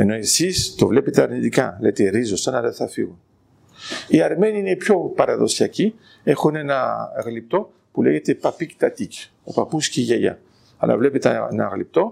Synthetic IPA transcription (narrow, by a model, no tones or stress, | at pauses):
eno̞esist̪o̞vle̞pet̪eɐɾnit̪ikɐlejt̪eɾizosɐnɐðeθɐfiɣun | iɐɾme̞niinepço̞pɐɾɐðo̞siɐci | e̞xune̞nɐɣlip̚t̪o̞ | pule̞ʝe̞t̪epɐpikt̪ɐt̪ic | opɐpusciʝɐʝɐ̰ | ɐ̰lɐ̰vlepet̪enɐ̰ɣlip̚t̪o̞